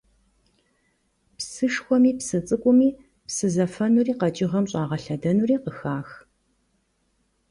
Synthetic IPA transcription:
psɨʂxʷɔmiːpsɨt͡sʼɨkʷʼʊmiː | psɨzɐfɐnuːriːqɐt͡ʃʼɪʁɐmɕʼɑːʁɐɬɐdɐnuriːqəxaːx

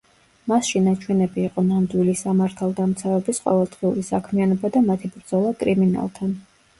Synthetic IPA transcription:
masʃinat͡ʃʰwɛnɛbiːqʼɔnamd̪wilisamaɾt̪ʰalˠd̪amt̪sʰavɛbisqʼɔ̰vɛlˠd̪ʁiuɾisakʰmianɔbad̪amat̪ʰibɾd̪zɔlˠakʼɾimina̰lˠt̪ʰan

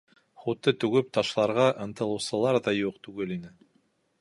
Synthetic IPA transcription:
χut̪ːɤt̪ʉɡɘp̚t̪ɑʃlˠɑɾʁɑʔɤ̆nt̪ɤ̆lˠɤ̆wsɤ̆lˠɑɾðɑjuqt̪ʉɡɘlinɘ

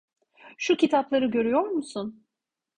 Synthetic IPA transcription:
ʃucit̪ʰaplˠaɾɯɟø̞ɾyjo̞ɾmusun

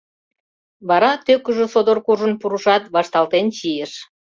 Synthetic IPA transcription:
βɑɾɑt̪økəʒøsod̪orkuʒənpuɾuʃɑt̪βɑʃt̪ɑlt̪ent͡ɕijeʃ

